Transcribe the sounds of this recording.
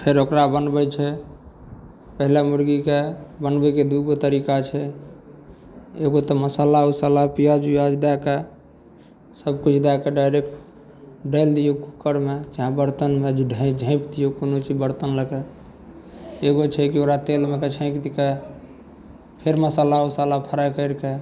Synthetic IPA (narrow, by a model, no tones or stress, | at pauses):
pʰeɾokɾabənbəjt͡ʃʰɛ | pəɦilemuɾɡikebənbɛked̪uɡot̪əɾikat͡ʃʰɛ | eɡot̪ɔməsalausalapijad͡ʒujad͡ʒd̪ake | səbkut͡ʃʰd̪akeɖaɾekʈ | ɖəɪld̪ijokukːəɾmed͡ʒaɦãbəɾt̪ənmed͡ʒʱiɖʱə̃d͡ʒʱə̃ɪ̃pd̪ijokonot͡ʃibəɾt̪ənləke | eɡot͡ʃʰɛkioɾat̪elmeket͡ʃʰə̃ɪ̃kd̪ike | pʰeɾməsalausalapʰəɾajkəɪɾke